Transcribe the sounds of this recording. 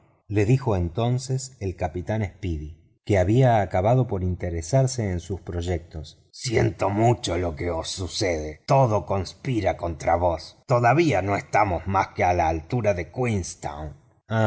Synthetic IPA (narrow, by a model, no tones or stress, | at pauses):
le̞ðixo̞ent̪o̞nseselkapit̪anespiði | keaβiaːkaβaðo̞po̞ɾint̪eɾesaɾseːnsuspɾo̞ʒek̚t̪o̞s | sjent̪omut͡ʃolo̞keosːuseðet̪o̞ðoko̞nspiɾako̞nt̪ɾaβo̞st̪oðaβiano̞est̪amo̞zmaskealaːlt̪uɾaðe̞kwinst̪a̰wn | a